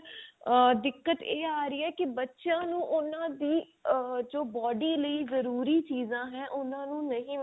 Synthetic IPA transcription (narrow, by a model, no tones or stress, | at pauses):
d̪ɪkːət̪eːaːɾəiːɛːkɪbətːʃãːnũːʔʊnãːd̪iː | d͡ʒoːbɔːɖiːləiːzəɾuːɾiːt͡ʃiːzãːɦɛ̃ːʔʊnãːnũːnəɦĩː